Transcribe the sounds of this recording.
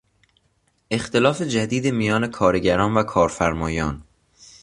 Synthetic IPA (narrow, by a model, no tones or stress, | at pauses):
ʔe̞xt̪ʰe̞lɒːfe̞d͡ʒæd̪iːd̪emijɒːne̞kʰɒːɾeɟæɾɒːnvækʰɒːɾfæɾmɒːjɒːn